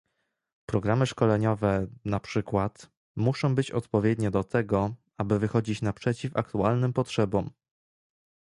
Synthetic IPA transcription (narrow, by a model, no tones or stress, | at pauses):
pɾɔɡɾamɘʂkɔlɛɲɔvɛnapʂɘkwat̪ | muʂɔ̃w̃bɘt͡ɕɔ̰t̪pɔvʲjɛd̪ɲɛd̪ɔt̪ʰɛɡɔ | abɘvɘxɔd͡ʑit͡ɕnapʂɛt͡ɕifa̰k̚t̪ualnɘmpɔtʂɛbɔm